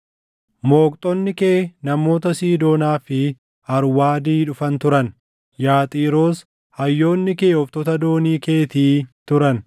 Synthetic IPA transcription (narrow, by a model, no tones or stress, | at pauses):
mo̞ːkʼt̪ʼɔnːɪkeːnɐmo̞ːt̪ɐsiːd̪o̞ːnaːfɪ | hɐɾwaːd̪iːᶑʊfɐnt̪ʊɾɐn | jaːt̪ʼiːɾo̞ːs | hɐjːo̞ːnːɪke̞ːɔft̪ɔt̪ɐd̪o̞ːniːke̞ːt̪iːt̪ʊɾɐn